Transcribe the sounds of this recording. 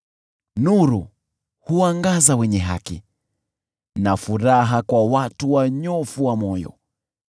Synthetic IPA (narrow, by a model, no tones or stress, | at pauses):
nuɾu | huaŋɡazawɛɲɛɦakḭ | nafuɾaɦakwawatuwaɲɔfuwamɔjɔ̰